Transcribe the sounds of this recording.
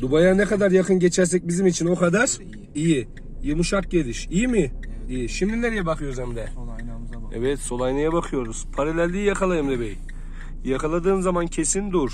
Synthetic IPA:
d̪ubajanekad̪aɾjɑqʰɯnɟʲet͡ʃʰæɾs̬ɛc̚ʲbizimit͡ʃʰinoqʰad̪aɾ | iji | jɯmuʃaq̚ɟʲe̞liʃijimɪd̪ijiʃimd̪inɛɾijɛbɑqʰɯjoɾuzɛmd̪ɛ | ḛvɛt̪so̞lˠajnajabaqʰɯjo̞ɾuz̥pʰaɾalʲɛɾlijaqʰalˠajɯmd̪ebɛj | jakʰalˠad̪ɯːmzamancʰesind̪uɾ

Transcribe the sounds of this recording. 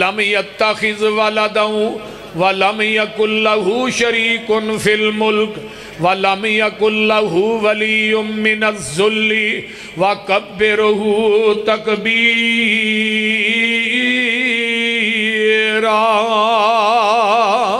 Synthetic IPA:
lɐmjɐt̪ːɐxɪzwɐlɐd̪aɦʊ̃ | ʋɐlɐmjɐkʊnlɐɦʊʃɐɾiːkʊnfilmʊlk | ʋɐlɐmjɐkʊnːɐɦʊʋɐlijʊnmɪnɐzːʊlːɪ | wɐkɐbːɪɾɦʊt̪ɐkbiː | ɾaː

